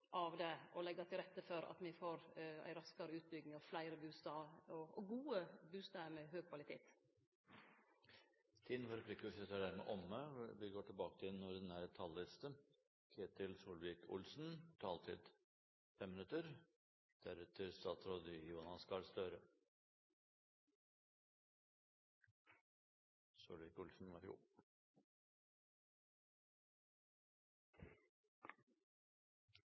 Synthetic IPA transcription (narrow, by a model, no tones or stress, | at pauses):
ʔɑʋd̪ɛʔɔlɛɡːɑt̪ʰɪlɾɛt̪ːəfɔɾɑ̰t̪mɪfoːɾæ̰ɪɾɑskɑɾəʉːt̪̚bʏɡnɪŋɑʋflæɪɾəbʉːst̪ɑːɔɔɡuːəbʉːst̪ɑːəmɛɦøːɡ̚kʰʋɑlɪt̪ʰḛːt̪ | t̪ʰiːd̪nfɑɾɛpʰlɪkːʉsɛt̪əɖæɾmɛ̰ʔɔmːəʋɪɡoːʈʰɪlbɑːkət̪ʰɪnːɔɾd̪ɛnæɾt̪ʰɑlːɪst̪ə | kʰeːt̪ɪlsuːlʋɪkʰʊ̰lsn̩t̪ʰɑːlt̪ʰɪ̰d̪ | fɛmːɪnʉt̪əɾ | d̪̥æɾʉt̪ʰəɾst̪ɑːt̪ɾoːd̪ɪjuːnɑskɑlst̪øːɾə | sṵːlʋɪːkʊlsn̩ʋɑɾʊ̰